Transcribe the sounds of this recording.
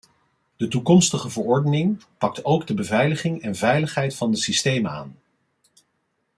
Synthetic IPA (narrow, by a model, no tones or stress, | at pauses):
d̥ətukɔmstəχəvəɹɔɹdənɪŋpɑk̚towɡdəbəvɛjləχɪŋɛnvɛjləχɦɛjtfɑndəsistejməa̰ːn